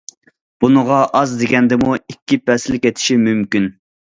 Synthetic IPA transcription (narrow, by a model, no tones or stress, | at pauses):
b̥unəʁɑʔɑzd̪eɡʲɛnd̪ɪmuikʲʰːipʰɛsɪlɪkʲɛt̪ʰɪ̥ʃimymkʲyn